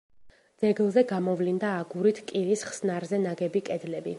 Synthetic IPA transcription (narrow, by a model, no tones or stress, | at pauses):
d̪z̥ɛɡlˠzɛɡamɔvlind̪aːɡuɾit̪ʰkʼiɾisχsnaɾzɛnaɡɛbikʼɛd̪lɛbi